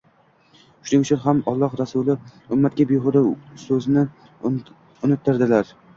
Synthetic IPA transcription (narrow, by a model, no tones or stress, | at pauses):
ʃʊnɪŋt͡ʃʰɪnɦamɒlˠːɒhɾasʊlɪʊmːat̪̚kʲabeʁʊɾɪsɵznɪ | ʊnɪt̪ʰːɪɾd̪ɪlaɾ